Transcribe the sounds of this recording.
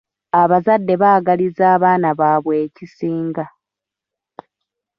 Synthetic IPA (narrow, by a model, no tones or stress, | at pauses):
aβazadːe̞βaːɡalizaːβaːnaβaːβwe̞ːcisiːŋɡa